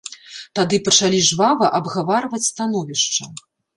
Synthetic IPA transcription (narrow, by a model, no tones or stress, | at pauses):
t̪ad̪ɨpɐt͡ʂalʲiʐvavɐʔɐbɣavaɾvɐt͡sʲst̪an̪ɔvʲiʂt͡ʂɐ